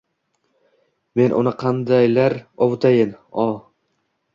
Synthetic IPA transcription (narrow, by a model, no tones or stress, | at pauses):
me̞nʔʊ̰nɪqʰɑnd̪ajlaɾɒwt̪ʰajɪnɒ